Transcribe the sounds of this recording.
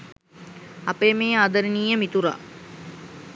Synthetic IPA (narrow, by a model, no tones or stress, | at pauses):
apeːmeːaːd̪əɾiniːjəmit̪uɾa̰